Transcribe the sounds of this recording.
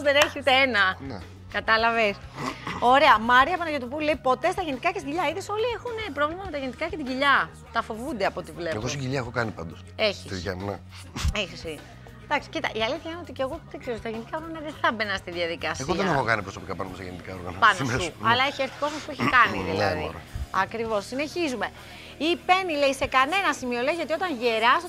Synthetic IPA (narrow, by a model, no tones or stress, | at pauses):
ozðeneçiut̪eenɐnne | kɐt̪ɐlɐves | o̞ɾe̞ɐmɐɾiɐpɐnɐʝet̪upule̞ipo̞t̪e̞st̪ɐʝenit̪ikɐcest̪ɟiʎɐiðeso̞liexunepɾo̞vlimɐme̞t̪ɐʝenit̪ikɐcet̪iʝɟiʎɐ | t̪ɐfo̞vund̪eɐpo̞t̪ivle̞eɣosiɟiʎɐexo̞kɐnipɐnd̪ose̞çit̪içɐmnɐ̰ | essi | d̪ɐksi̥cit̪ɐʔiɐliθçɐineot̪iceɣo̞ðekseɾot̪ɐʝenit̪ikɐoɾɣɐnɐðeθɐbenɐst̪iðiɐðikɐseɣoðeɐnexo̞kɐnipɾo̞so̞pikɐpɐnousɐ̰enit̪ikao̞ɾɣɐ̰nɐpɐnost̪uɐlɐeçieɾθiko̞zmɐspueçikɐniðilɐḭɾ̰ɐkɾivo̞sːine̞çizume̞ | ipe̞nile̞ise̞kɐne̞nɐsimio̞leiʝɐt̪io̞t̪ɐnʝeɾɐs